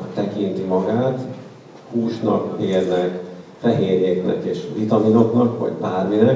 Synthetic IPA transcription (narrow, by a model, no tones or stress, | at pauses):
t̪ɛkint̪imɒɡaːt̪ | huːʃnɒkmeːrnɛkfɛɦeːrɲeːknɛ̰keːʃʋit̪ɒmino̞knɒkʋɒ̰ɟbaːrminɛ